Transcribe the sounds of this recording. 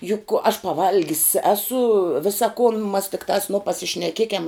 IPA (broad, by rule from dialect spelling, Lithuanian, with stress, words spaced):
jʊk ɐʃ pɐˈʋɐlʲɡʲɪs ˈæːsʊ ˈʋʲɪsɐ kʊn mɐs tʲɪkˈtɑːs nʊ pɐsʲɪʃʲnʲɛˈkʲiɛkʲɛm